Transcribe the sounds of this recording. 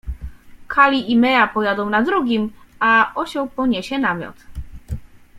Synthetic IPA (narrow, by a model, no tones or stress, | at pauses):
kʰalʲiʔimɛjapɔjad̪ɔ̃w̃nad̪ɾuɡʲimaɔɕɔwpɔɲɛɕɛnamʲjɔ̰t̪